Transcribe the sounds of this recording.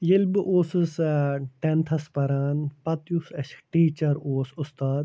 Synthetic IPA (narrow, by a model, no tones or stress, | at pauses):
jilbɨʔoːsɨsʈent̪ʰɐspɐɾaːnpɐt̪jusɐʃʈiːt͡ʃɐɾoːsʊst̪aːd̪